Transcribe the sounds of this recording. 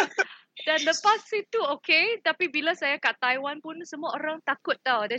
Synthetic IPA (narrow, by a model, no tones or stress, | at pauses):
danləpasit̪uoket̪apibilasajakaʔt̪ajwanpʊnsəmũaʔoɾaŋt̪akʊt̪̚ːada